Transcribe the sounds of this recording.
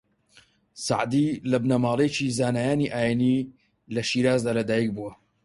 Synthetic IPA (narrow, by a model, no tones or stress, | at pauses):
sa̰ʕd̪ilɐbnɐmaːlˠet͡ʃizaːnaːjaːniʔaːjeni | lɐʃiːɾaːzd̪aːlɐd̪aːjik̚buwɐ